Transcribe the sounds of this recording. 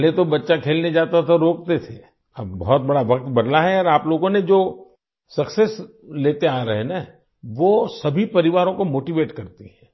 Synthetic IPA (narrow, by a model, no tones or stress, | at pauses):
let̪obɐtːʃakʰeːlned͡ʒaːt̪at̪ʰaɾoːk̚t̪et̪ʰe | ɐbbɔɦɔt̪̚bɐɽaʋɐk̚t̪bɐd̪laɦɛɔːɾaːploːɡõned͡ʒoː | sɐkses | leːt̪eaːɾɐɦena | ʋosɐbʱipɐɾɪʋaːɾõkomoːʈiʋeːʈkɐɾt̪iɦɛ̃ː